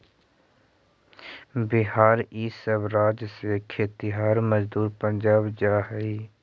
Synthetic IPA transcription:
bɪɦaːɾiːsəbɾaːd͡ʒsekʰeːt̪ɪɦaːɾməd͡ʒd̪uːɾpə̃ɲd͡ʒaːbd͡ʒaːɦiː

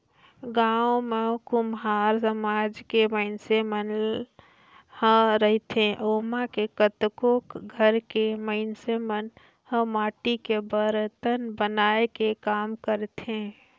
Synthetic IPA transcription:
ɡaomekumɦaɾsəmad͡ʒkeməɪnsemən | hə̃ɾəɦt̪ẽʔomakekət̪kokɡʱəɾkeməɪnsemən | hə̃maːʈikebəɾt̪ənbənaekekaːmkəɾt̪ɦẽ

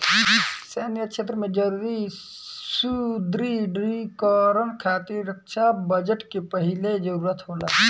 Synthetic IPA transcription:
senjəkʃʰeːt̪ɾəmẽd͡ʒəɾuːɾi | sud̪ɾiɖɾikɔɾənkʰaːt̪iɾɾəkʃabəd͡ʒəʈkepəɦɪled͡ʒəɾuːɾət̪ɦoːla̰

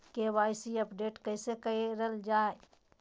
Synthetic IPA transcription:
keʋaːɪsiɐpɖeːʈkəɪsekɐeɾəld͡ʒaːe

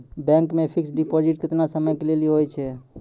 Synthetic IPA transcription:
bɛ̃ŋkmepʰiksɖipod͡ʒiʈ̚t̪et̪nasəməjkeleliɦojt͡ʃʰɛ

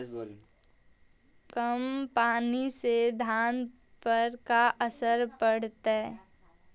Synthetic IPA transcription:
kəmpaːnised̪ʱaːn | pəɾkaʔəsəɾpəɽ̤t̪e

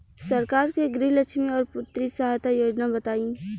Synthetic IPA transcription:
sɐɾkaːɾkeɡɾiɦlɐt͡ʃʃmiɔːɾpʊt̪ːɾisɐɦajt̪ajoːd͡ʒnabɐt̪aːĩː

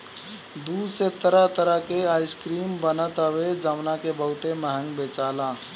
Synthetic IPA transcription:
d̪uset̪əɾət̪əɾəɦkeajskɾiːmbənət̪əʋed͡ʒəmnakebəɦut̪eməɦə̃ŋɡbet͡ʃala

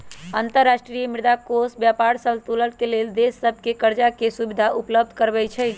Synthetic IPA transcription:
ənt̪əɾːasʈɾijəmiɾd̪akosbjapaɾsəlt̪ulət̪̚keleld̪esːəbʱkekəɾd͡ʒakesubid̪ʱaʔupləb̚d̪ʱkəɾbɛt͡ʃʰəj̪

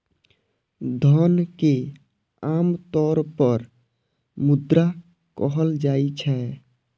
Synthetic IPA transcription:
d̪ʱənke | amt̪ɔɾpəɾ | mud̪ɾa | kɔɦəld͡ʒait͡ʃʰɛ

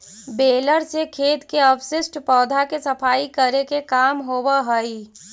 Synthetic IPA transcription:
beːləɾsekʰeːt̪keɔpsɪsʈpɔːd̪ʱakesɐpʰaːikəɾekekaːmɦowaɦəi

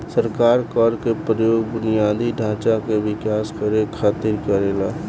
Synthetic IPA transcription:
səɾkaːɾkɔɾkepɾəjoːɡbʊnijaːd̪ʱiɖʱãːt͡ʃakeʋɪkaːskəɾekʰaːt̪iɾkəɾeːlaː

